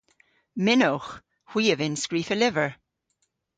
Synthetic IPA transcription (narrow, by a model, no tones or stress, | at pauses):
mɪnox | hw̥iːəvɪnskɹiːfəlɪvəɹ